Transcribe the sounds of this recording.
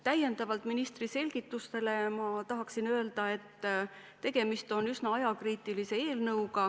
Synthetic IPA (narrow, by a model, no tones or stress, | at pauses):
t̪æje̞nd̪̥ɑvɑlt̪minist̪rise̞lʲɡ̥it̪ːˑust̪e̞le̞mɑt̪ɑɦɑksinø̞ːld̪ɑe̞t̪ː | e̞ɡ̥e̞mist̪o̞nysnɑɑjɑkriːt̪ilise̞e̞ːlnɤwɡɑ